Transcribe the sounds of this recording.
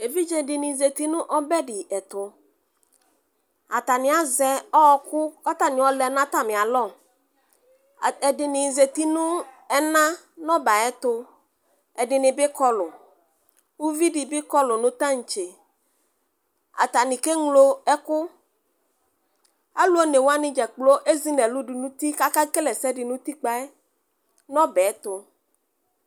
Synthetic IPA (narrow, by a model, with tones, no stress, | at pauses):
e˨vi˦d͡ʒɛ˨dɪ˨nɪ̃˨ze˨t̪i˦nʊ̃˦ʔɔ˦bɛ˦dɪ˨ɛ˨t̪ʊ˨ | a˨t̪a˨nɪ˨a˦zɛ˨ɔ˦kʊ˦ɔ˦t̪a˨nɪ̃˨ɔ˦lɛ˨˦nã˦t̪a˦mɪ̃˨a˨lɔ˦˨ | ɛ˨dɪ˨nɪ˨ze˨t̪i˦nʊ̃˦ | ɛ˦nã˦ | nɔ˦ba˨ɛ˦t̪ʊ˦ | ɛ˨dɪ˨nɪ˨bɪ˦kɔ˦lʊ˨ | wu˦vi˦ɖɪ˨bɪ˦kɔ˦lʊ˨nʊ̃˦t̪ã˦ŋ̩˨t͡ʃe˨ | a̰˨t̪a˨nĩ˨ke˦ŋlo˦ɛ˦kʊ˦ | a˦lu˦o˦ne˨wo˦a˦nɪ̃˦d͡ʒɛ˨k͡plo˦ʔe˦zi˦nɛ̃˨lʊ˦ɖɪ˨nũ˦t̪i˦ka˦ka˦ke˦lɛ˨sɛ˦ɖɪ˨nũ˦t̪i˦k͡pa˦ɛ˦ | nɔ̃˦bɛ˨˦t̪ʊ˦